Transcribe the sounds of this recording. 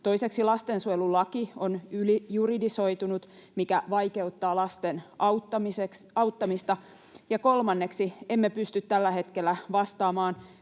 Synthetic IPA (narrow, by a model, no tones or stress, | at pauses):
t̪o̞iseksilɑst̪ensuelulɑkionylijuridiso̞it̪unut̪mikæʋɑike̞ut̪ːɑːlɑst̪enɑut̪ːɑmisek | ɑut̪ːɑmist̪ɑ | jɑko̞lmɑnːeksiemːepyst̪yt̪t̪ælːæhe̞t̪kelːæʋɑst̪ɑːmɑːn